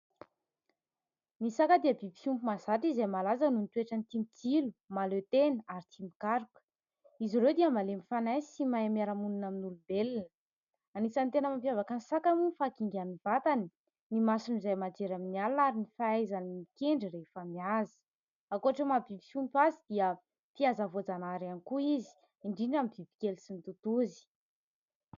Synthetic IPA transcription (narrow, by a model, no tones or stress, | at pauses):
misakəd̪iəbibisumpumazaʈ͡ʂizamalazanunit̪ueʈ͡ʂanit̪imit͡silumalet̪enəaɾit̪ʰimbi̥kaɾukə̥ | iziɾewd̪iəmalemifanajsimaamaɾamununaminulubelinə | anisant̪enəmampjavakansakamunifakiŋɡʲaniv̥at̪ani | nimasinizajmad͡ʒeɾaminialaɾinifaajzanimikeɳɖ͡ʐiɾefəmiazi̥ | akoaʈ͡ʂemabivi̥sumpazid̪iə | fiazavod͡zanaɾanikuizi̥ | iɳɖ͡ʐiɖ͡ʐamivivi̥kʲelsinit̪ut̪uzi̥